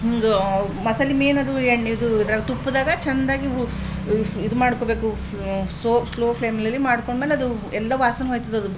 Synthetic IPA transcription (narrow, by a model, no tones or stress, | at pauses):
ɦiŋɡɐmɐsɐlːimeːnɐd̪ueɳːid̪uid̪ɐɾaːɡt̪upːud̪aːɡɐt͡ʃɛnd̪aːɡiu | id̪umaːɽkoːbe̞ːku | soːsloːpʰeːmiliɐlːimaːɽkoɳɖmeːleɐd̪uɛlːɐʋaːsɐnɦoːjt̪ɐd̪uɐd̪u